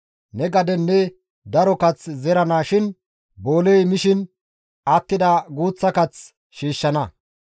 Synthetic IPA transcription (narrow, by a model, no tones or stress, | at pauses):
nɛɡɐd̪ɛnːɛ | d̪ɐɾɔkɐt͡szɛɾɐnaːʃɪn | boːlejmɪʃɪn | at̪ːɪd̪aɡuːt͡sːɐkɐt͡s | ʃiːʃːɐnɐ